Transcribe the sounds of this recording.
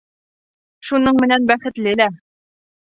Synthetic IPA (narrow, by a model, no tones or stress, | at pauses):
ʃunɤɴmɘ̆nænbæχɘ̆t̪lɘlæ